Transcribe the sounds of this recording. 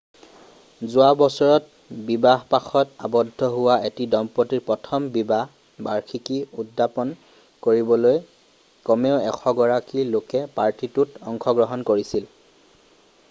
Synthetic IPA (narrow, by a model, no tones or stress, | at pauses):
zʊabɔsɔɹɔt | bibaɦpaxʰɔta̰bɔdʱːɔɦʊwaetidɔmpɔtiɹpɹɔtʰɔmbibaɦ | baɹkʰikiudːapɔn | koɹibɔloj | kɔmeʊɛxʰɔɡɔɹakilokɛpaɹtitutɔŋxʰɔɡɹɔɦɔnkoɹisil